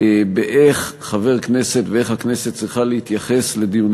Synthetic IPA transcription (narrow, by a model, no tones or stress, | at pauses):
beʔeχːave̞ʁkne̞set̪vee̞χhakneset̪̚t͡sʁiχalehit̪jaχe̞sle̞d̪ijun